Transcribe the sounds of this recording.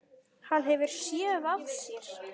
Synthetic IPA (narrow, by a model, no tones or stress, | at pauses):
hanɦɛvʏɾ̥sjɛvaðsjɛɾ̥